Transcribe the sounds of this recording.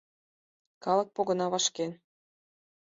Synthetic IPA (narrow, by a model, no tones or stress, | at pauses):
kɑlɤk̚poɣɤ̆nɑβɑʃken